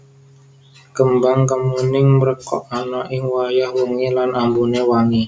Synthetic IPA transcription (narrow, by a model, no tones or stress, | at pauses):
kəmbaŋkəmunɪŋməɾəkɔ̰ʔanaʔɪŋwajahwuŋilanʔambunewaŋi